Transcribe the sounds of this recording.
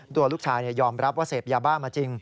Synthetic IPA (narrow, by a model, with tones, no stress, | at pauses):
t̪u˧əluː˥˩k̚t͡ɕʰaː˦˥jni˥˩jɔː˧mɾa˦˥p̚waː˥˩seː˨˩p̚jaː˧baː˥˩maː˧t͡ɕi˧ŋ